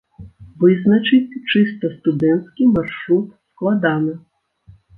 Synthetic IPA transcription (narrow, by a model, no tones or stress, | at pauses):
ʋɪznɐt͡ʃɪtʲt͡ʃɪst̪ɔst̪ʊd̪ɛnt̪skʲijmarʂɾut̪̚sklˠad̪anɐ